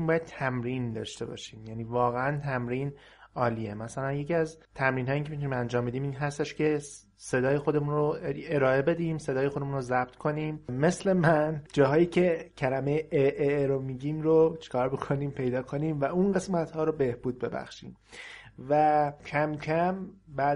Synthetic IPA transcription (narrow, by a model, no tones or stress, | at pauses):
mbɒːjæd̪̥̚t̪ʰæmɾiːnd̪ɒ̰ːʃt̪e̞bɒ̰ːʃiːmjæniːvɒːɣeænt̪ʰæmɾiːn | ɒːliːemæsælænjeciæz | t̪ʰæmɾiːnɦɒːjicʰeit̪unimænd͡ʒɒːmbed̪iːmiːnɦæst̪e̞ʃcʰe̞ | se̞d̪ɒːjexo̞d̪e̞muːnroeɾɒːe̞be̞d̪iːmse̞d̪ɒːjexod̪emuːnrozæb̚t̪ʰkʰo̞niːmme̞sle̞mænd͡ʒɒːɦɒːjiːcʰe̞cʰælæmejeʔeʔeɾomiɟiːmɾot͡ʃʰe̥kʰɒːɾbokʰo̞niːmpʰe̞jd̪ɒːkʰo̞niːmvæunɢesmæt̪hɒːɾobe̞hb̥uːd̪̚be̞bæ̰xʃḭːm | væcʰæmcʰæmbæ